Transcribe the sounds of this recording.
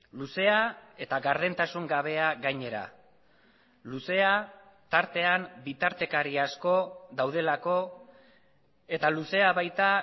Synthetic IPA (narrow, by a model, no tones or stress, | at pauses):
luse̞ae̞t̪aɣaɾðent̪asuŋɡaβ̞e̞aɣajɲe̞ɾa̰ | luse̞a | t̪aɾt̪e̞ambit̪aɾt̪e̞kaɾiasko̞ðawð̞e̞lako̞ | e̞t̪aluse̞aβajt̪a